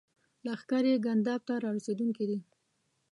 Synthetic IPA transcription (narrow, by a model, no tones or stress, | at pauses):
laːxkɑɾeɡand̪ɑb̚t̪aɾɑwased̪uŋkid̪i